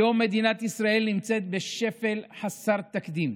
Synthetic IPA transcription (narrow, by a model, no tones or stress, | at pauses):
o̞mːe̞d̪inat̪isʁae̞lnimt͡se̞t̪̚beʃe̞fe̞lħasaʁt̪akd̪im